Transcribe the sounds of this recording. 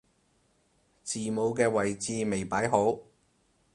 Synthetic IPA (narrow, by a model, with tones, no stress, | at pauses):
t͡siː˨mo˨˧wkɛː˧wɐ˨˩jt͡siː˧me˨˩jpaː˨˥jɦo˨˥w